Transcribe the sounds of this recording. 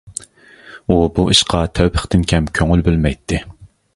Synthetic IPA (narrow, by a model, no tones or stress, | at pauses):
ubuʔiʃqʰɑt̪ʰøwpʰəχt̪ɪnkʲʰɛmkʲʰøŋylbølmɛjt̪ʰːɪ